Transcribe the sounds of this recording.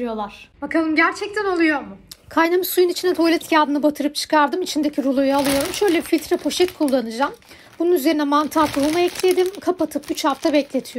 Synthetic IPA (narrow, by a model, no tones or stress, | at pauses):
ijo̞lˠaɾ̥bakʰalˠɯmɟæɾt͡ʃʰɛc̚t̪ʰænolˠujo̞ɾmukʰajnamɯsujunit͡ʃʰinɛt̪ʰo̞jlʲɛt̪jaːd̪ɯnɯbat̪ʰɯɾɯp̚t͡ʃʰɯ̥kʰaɾd̪ɯmit͡ʃʰind̪ecʰiɾulˠujualˠɯjo̞ɾumʃø̞jlʲebifilʲt̪ɾɛpʰo̞ʃɛt̪kʰulˠːanɯd͡ʒaːm | bununyze̞ɾinɛmant̪ʰat̪ʰuumaɛclʲe̞d̪imkʰapat̪ʰɯpyt͡ʃʰhaft̪ʰabɛclʲe̞t̪ʰijo